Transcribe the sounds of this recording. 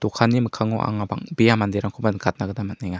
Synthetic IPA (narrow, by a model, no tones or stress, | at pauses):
t̪ɔkʰanːiməkʰaŋɔʔa̰ŋaba̰ŋbijamand̪eɾaŋkʰɔbankʰat̪̚naɡɯdamat̚nɛŋa